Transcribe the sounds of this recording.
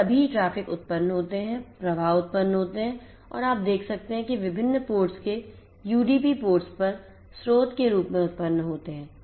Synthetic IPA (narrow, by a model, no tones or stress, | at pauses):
ɐbʱiʈɾaːfɪkʊt̪̚pənːɦoːt̪eɦɛ̃pɾɐbʱaːʊt̪̚pənːɦoːt̪eɦɛ̃ː | ɔ̰ːɾaːp̚d̪eːkʰsɐk̚t̪eɦɛ̃kiʋɪbʱɪnːpoːɾʈske | juːɖiːpipoːɾʈspɐɾ | sɾoːt̪keɾuːpmẽʊt̪̚pənːɦoːt̪eɦɛ̃ː